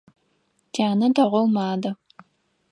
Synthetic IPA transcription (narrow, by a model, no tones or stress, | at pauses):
d͡ʒaːnɐtɐʁʷɔwmaːdɐ